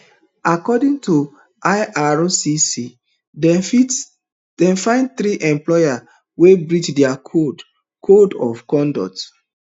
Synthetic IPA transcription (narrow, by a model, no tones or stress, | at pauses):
akɔdĩŋtu | ʔajʔaɹosisi | dɛi | d̥ɛ̃nfãɪ̃nd̚t̪ɾiʔɛ̃mplɔja | webɹit͡ʃdɛakʰod | kʰodɔ̰fkɔ̃ndɔ̰t